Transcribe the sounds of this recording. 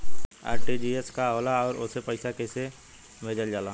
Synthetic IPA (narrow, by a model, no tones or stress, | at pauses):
a̰ːɾʈid͡ʒieskaɔːlaɔːɾo̰sepəɪsakese | meːd͡ʒəld͡ʒaːla